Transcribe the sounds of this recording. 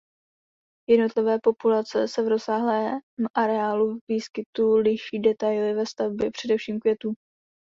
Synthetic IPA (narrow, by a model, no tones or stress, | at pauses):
jɛdno̞t̪lɪvɛːpo̞pulat͡sɛsɛvɾo̞saːɦlɛːmʔaɾɛaːluvviːskɪt̪ulɪʃiːdɛt̪ajlɪvɛst̪avbjɛpr̥ɛdɛfʃiːmkvjɛt̪uː